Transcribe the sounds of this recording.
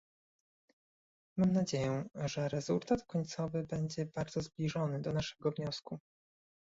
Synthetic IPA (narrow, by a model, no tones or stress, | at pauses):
mamnad͡ʑejɛʐɛɾɛz̥ult̪at̪kɔɲt̪sɔvɘbɛɲd͡ʑɛbaɾd̪zɔzblʲiʐɔnɘd̪ɔnaʂɛɡɔvɲɔsku